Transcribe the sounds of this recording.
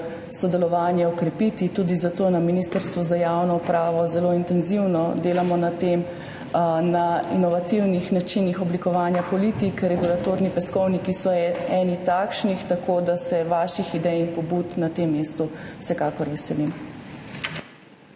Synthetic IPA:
sɔd̪ɛlɔʋaːnjɛɔkɾɛpit̪it̪uːd̪izat̪oːnaminist̪əɾst̪ʋuzajawnɔupɾaːʋɔzɛloint̪ɛnziwnɔd̪eːlamɔnat̪em | nainɔʋat̪iwnixnat͡ʃinixɔblikɔʋaːnjapɔlit̪ikɾɛɡulat̪oːɾnipɛskɔwnikisɔɛnit̪akʃnixt̪akod̪asɛʋaʃixid̪ɛjinpɔbut̪nat̪emːeːst̪uw̥sɛkaːkɔɾʋɛsɛlim

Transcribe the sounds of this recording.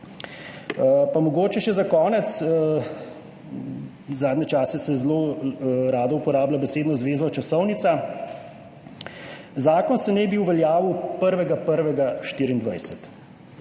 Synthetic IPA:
pamɔɡoːt͡ʃɛʃɛzakɔːnɛt̪s | zaːd̪nʲɛt͡ʃaːsɛsɛzloːɾaːd̪ɔupɔɾaːblʲabɛseːd̪nɔzʋeːzɔt͡ʃasɔwnit̪sa | zaːkɔnsɛnɛbiwʋɛljaːʋiwpəɾʋɛɡapəɾʋɛɡaʃt̪iːɾind̪ʋa̰jsɛt̪

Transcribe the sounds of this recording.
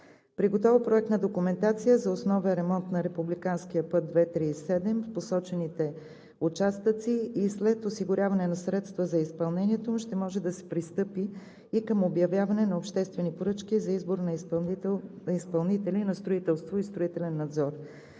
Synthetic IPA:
pɾiɡot̪ɔvəpɾoɛk̚t̪nɐd̪okʊmɛnt̪at̪sijəzɐosnɔvəɾɛmɔnt̪nɐɾɛpublikanskijəpɤd̪̚d̪vɛt̪ɾiːsɛd̪ɛmfposɔt͡ʃɛnit̪ɛ | ut͡ʃast̪ət̪siːslɛt̪osiɡʊɾʲjavɐnɛnɐsɾɛt̪st̪vəzɐispɐlˠnɛniɛt̪omuʃt̪ɛmɔʒɛd̪ɐsɛ̥pɾist̪ɤpiː | kəmobjɐvjavɐnɛnɐopʃt̪ɛst̪vɛnipoɾɤt͡ʃkʲizɐizboɾnɐ | nispɐlˠnit̪ɛlinɐst̪ɾoit̪ɛlˠst̪voist̪ɾʊit̪ɛlɛnːɐd̪zɔɾ

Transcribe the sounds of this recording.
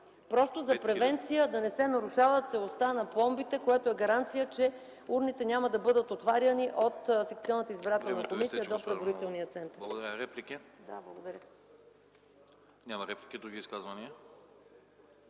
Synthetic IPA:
pɾɔst̪ozɐpɾɛvɛnt̪sijəd̪ɐnɛsɛnɐɾuʃavət̪sɛlˠost̪anɐpɔmbit̪ɛkojɛt̪oɛɡɐɾant̪sijət͡ʃɛ | uɾnit̪ɛnʲaməd̪ɐbɤd̪ət̪ot̪vaɾjəniʔot̪sɛk̚t̪siɔnːət̪əizbiɾat̪ɛllˠnəkomisijəd̪opɾɛd̪voɾit̪ɛlˠnijət̪sɛnt̪əlˠɾɡʊd̪ɐɾəɾɛplikʲid̪a̰blˠɐɡod̪ɐɾʲə | nʲamɐɾɛplʲikʲid̪ɾuɡʲiːskazvɐniə

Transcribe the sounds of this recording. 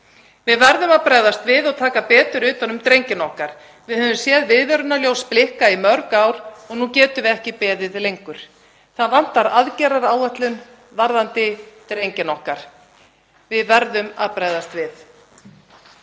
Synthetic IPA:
vɪðvɛɾðʏmaðpɾaːjðast̪vɪðɔɣt̪ʰaːkapɛːt̪ʏɾʏːt̪anʏmt̪ɾejɲcɪnɔhkaɾ̥ | vɪðhœːvʏmsjɛðvɪðvɛɾʏnaljoːwsplɪhkaimœɾkaːwɾ̥ɔɣnucɛːt̪ʏvɪɛhcɪpɛːðɪðlejŋkʏɾ̥ | θaðvan̥t̪aɾaðcɛɾaɾaːwɛht̪lʏn | vaɾðant̪ɪt̪ɾejɲcɪnɔhkaɾ̥ | vɪðvɛɾðʏma̰pɾajðast̪vɪθ

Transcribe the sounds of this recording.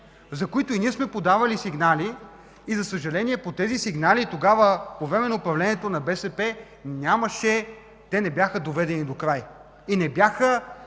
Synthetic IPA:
zɐkoit̪oiniɛsmɛpod̪avɐlisiɡnali | izɐsəʒɐlɛniɛpot̪ɛzisiɡnalit̪oɡavəpovɾɛmɛnoːpɾɐvlɛniɛt̪onɐbɛsɛpɛ | nʲjaməʃɛ | t̪ɛnɛbjaxəd̪ovɛd̪ɛnid̪okɾaj | inɛbjaxə

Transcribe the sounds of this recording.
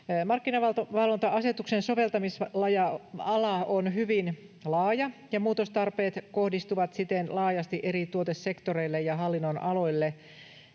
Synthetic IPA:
mɑrkːinɑʋɑt̪ʋɑlʋont̪ɑɑset̪uksenso̞ʋe̞lt̪ɑmislɑjɑɑlɑonhyʋin | lɑːjɑjɑmuːt̪ost̪ɑrpeːt̪kohdist̪uʋɑt̪sit̪enlɑːjɑst̪iʔeɾit̪uot̪essekt̪oreilːejjɑɦɑlːinːonʔɑlo̞ilːe

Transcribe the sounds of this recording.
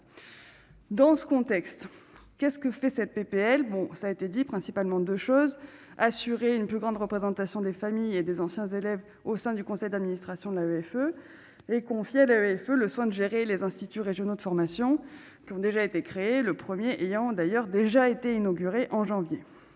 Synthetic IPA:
d̪ɑ̃sə̥kɔ̃t̪ɛkst̪kʲɛskəfɛsɛt̪̚pepeɛlbɔ̃saːet̪ed̪ipχɛ̃sipalmɑ̃d̪øʃoz | asyʁeynplyɡʁɑ̃d̪ʁəpχezɑ̃t̪asjɔ̃d̪efamijed̪ezɑ̃sjɛ̃zelɛv | osɛ̃d̪ykɔ̃sɛjd̪ad̪minist̪χasjɔ̃d̪əlaøɛfø | ekɔ̃fjealaøɛføləswɛ̃d̪əʒeʁelezɛ̃st̪it̪yʁeʒjɔnod̪əfɔʁmasjɔ̃ | kʲiɔ̃d̪eʒaet̪ekχeeləpχəmjeʔejɑ̃d̪ajœʁd̪eʒaet̪einɔɡʲyʁeʔɑ̃ʒɑ̃vje

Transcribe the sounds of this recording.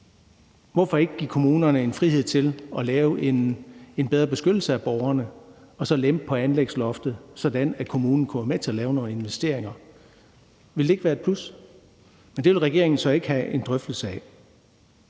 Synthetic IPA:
ʋɒfɒ̽e̝ɡ̥əɡ̥ikʰo̝muːnɐnəe̝nfʁihe̝ð̞̰ˠt͡sʰe̝lɒ̽lɛːʊee̝nb̥eð̞ˠʁɐb̥e̝sɡ̥ød̥l̩səæb̥ɒʊɐnə | ɒ̽sɒ̽lemb̥̚pʰɒ̽ænleɡ̥slɒ̽fd̥ð̩ˠsɒ̽d̥ænækʰo̝muːnn̩kʰuʋɑmet͡sʰe̝ɐlɛːʊno̝ːn̩e̝nʋesd̥e̝ɐ̰e̝ŋɐ | ʋe̝lde̝e̝ɡ̥ʋæːɐe̝d̚pʰl̥us | mend̥e̝ʋelʁaɡ̥e̝ɐ̰e̝ŋn̩sɒ̽e̝ɡ̥əhæe̝nd̥ʁœfd̥l̩səɛ̰

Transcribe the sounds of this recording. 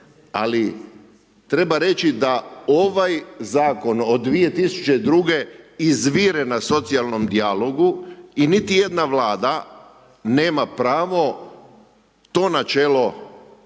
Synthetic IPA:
a̰li | t̪ɾe̞baɾe̞t͡ʃid̪aoʋajzaːko̞nod̪ːʋije̞t̪isu̥t͡ʃe̞d̪ɾuɡe̞izʋiːɾenaso̞t̪sialˠno̞md̪ialˠo̞ɡuinit̪ije̞d̪naʋlaːd̪a | ne̞ːmapɾaːʋo̞ | t̪o̞ːnat͡ʃeːlo̞

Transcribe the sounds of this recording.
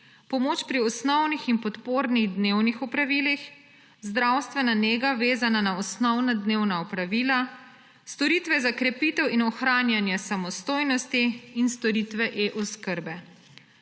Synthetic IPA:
pɔmoːt͡ʃpɾiɔsnɔwnixinpɔt̪poːɾniɣd̪newnixɔpɾaʋiːlix | zd̪ɾawst̪ʋɛnaneːɡaʋeːzananaɔsnɔwnad̪neːwnaɔpɾaʋila | st̪ɔɾit̪ʋɛzakɾɛpit̪ɛwinɔxɾaːnjanjɛsamɔst̪oːjnɔst̪iːnst̪ɔɾit̪ʋɛʔeʔɔskəɾbɛ

